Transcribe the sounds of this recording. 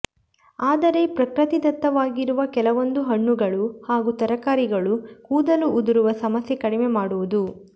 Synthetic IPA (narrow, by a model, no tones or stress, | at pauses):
aːd̪ɐɾe̞pɾɐkɾɐt̪id̪ɐt̪ːɐʋaːɡiɾuʋɐkɛlɐʋo̞nd̪uɦɐɳːuɡɐɭuhaːɡut̪ɐɾɐkaːɾiɡɐɭukuːd̪ɐluʔːd̪uɾuʋɐsɐmɐsjekɐɽimemaːɽuʋud̪u